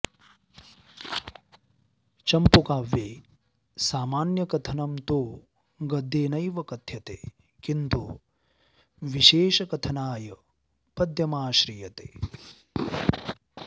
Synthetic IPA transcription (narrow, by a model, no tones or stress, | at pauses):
t͡ʃɐmpukaːʋjeː | saːmaːnjɐkɐt̪ʰɐnɐmt̪oː | ɡɐd̪ʱːeːnɐjʋɐkɐt̪ʰjɐt̪eː | kint̪u | ʋiʃeːʃɐkɐt̪ʰɐnaːjɐ | pɐd̪ʱjɐmaːʃɾiːjɐt̪ḛː